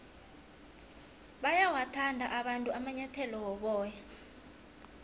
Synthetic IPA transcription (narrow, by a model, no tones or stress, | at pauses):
ɓajawatʰandʱaʔaɓantʼuamaɲatʰɛlɔwɔɓɔːja